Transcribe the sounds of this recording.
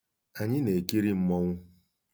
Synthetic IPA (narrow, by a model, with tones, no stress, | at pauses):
a˨ɲɪ˦ne˨ki˦ɾi˦m̩˦mɔ˦ŋʷʊ˦